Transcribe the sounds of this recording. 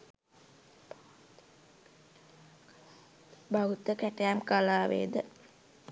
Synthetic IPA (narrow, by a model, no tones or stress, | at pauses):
baut̪əkæʈəjamkalaːʋḛːd̪ə